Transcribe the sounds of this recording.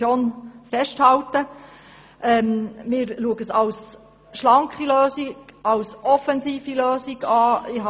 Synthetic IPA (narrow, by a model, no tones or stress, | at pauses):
joːnfɛʃthɑwt̪ə | ʔɛmmɪːɾluəɡəsɑws | ʃlɑŋkχiløːsiɑwsʔɔfɛnsiːfiløːsiɡɑːɪɦɑ